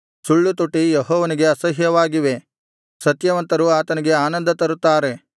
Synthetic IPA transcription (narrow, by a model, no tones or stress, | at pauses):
suɭːut̪uʈːijeɦɔːʋɐniɡe̞ɐsɐɦjɐʋaːɡiʋe̞ | sɐt̪jɐʋɐnt̪ɐɾuaːt̪ɐniɡe̞aːnɐnd̪ɐt̪ɐɾut̪ːaːɾe̞